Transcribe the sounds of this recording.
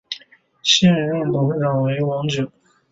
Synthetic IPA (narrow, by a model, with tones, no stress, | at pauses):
ɕɛ˥˧nɻə˥˩t̪ʊ˧˥ŋɻɑ˨˩ŋwe˧˥ɪwɑ˧˥ŋt͡ɕo˨˩˦